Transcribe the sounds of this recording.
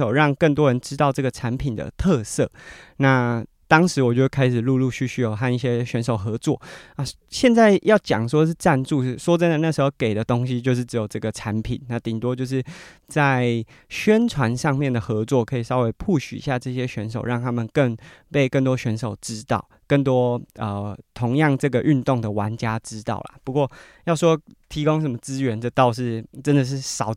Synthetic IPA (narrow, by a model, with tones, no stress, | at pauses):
o˨˩ʊɻɑ˥˧ŋkə˥˩nt̪wɔ˦˥ɻə˧˦nʈ͡ʂɻ̩˥t̪ɑ˥˧ʊʈ͡ʂɤ˥˩ɡə˩ʈ͡ʂʰa˧˥npʰi˨˩nd̪ə̰˩t̪ʰɤ˥˧sɤ˥˩na˥˩ | t̪ɑ˥ŋʂɻ̩˧˥wɔ˨˩t͡ɕjo˥˧˩kʰa˥ɪʂ̬ɻ̩˨˩lu˥˧lu˥˧ɕy˥˧ɕy˥˩jo˨˩ʊxa˥˧ni˥˩ɕjɛ˥ɕɥɛ˧˥nʂo˨˩ʊxɤ˧˥t͡swɔ̰˥˩a˥˧ | ɕjɛ˥˧nt͡sa˥˧ɪjɑ˥˩ʊt͡ɕjɑ̰˨˩ŋʂ̬wɔ˥ʂ̬̩˥˧ʈ͡ʂa˥˧nt͡su˥˧˥swɔ˥t͡sə˥nd̪ə˨na˥˩ʂɻ̩˧˥xo˧ʊke˨˩ɪd̪ə˦t̪o˥ŋɕi˦t͡ɕjo˥˧ʂ̬ɻ̩˥˩ʈ͡ʂɻ̩˧˥jo˨˩ʈ͡ʂɤ˥˩ɡə˩ʈ͡ʂʰa˧˥npʰi˨˩nna˥˩t̪i˨˩t̪wɔ˦˥t͡ɕjo˥˧ʊʂ̬ɻ̩˥˩t͡sa˥˩ɪ | ɕɥɛ˥nʈ͡ʂʰwa˧˥nʂɑ˥˧ŋmjɛ˥˩nd̪ə˩xɤ˧˥t͡swɔ˥˩kʰɤ˧˥i˨˩sɑ˥ʊwe˧˥ɪpʰu˥˩ɕy̰˨˩i˧ɕja˥˧ʈ͡ʂɤ˥˧ɕ̬jɛ˥ɕɥɛ˧˥nʂo˨˩ʊɻɑ˥˩ŋt̪ʰa˥mə˨nkə˥˧ŋpe˥˧ɪkə˥˩nt̪wɔ˥ɕɥɛ˧˥nʂo˨˩ʊʈ͡ʂɻ̩˥t̪ɑ˥˩ʊkə˥˩ŋt̪wɔ˥ə˨˩t̪ʰo˧˥ŋjɑ˥˧ŋʈ͡ʂɤ˥˩ɡə˩ʔy˥˧nt̪ʊ˥˨˩ŋd̪ə˩wa˧˥nt͡ɕja˥ʈ͡ʂɻ̩˥t̪ɑ̰˥˩ʊla̰˩pu˧˥kwɔ˥˩ | jɑ˥˩ʊʂ̬wɔ˦˥t̪ʰi˧˥ko˥ŋʂ̬ə˧˥nmə˧t͡sɹ̩˦ɥɛ˧˥nʈ͡ʂə˥˧t̪ɑ˥˧ʊʂ̬ɻ̩˥˩ʈ͡ʂə˦˥nd̪ə˨ʂ̬ɻ̩˥˩sɑ˨˩ʊ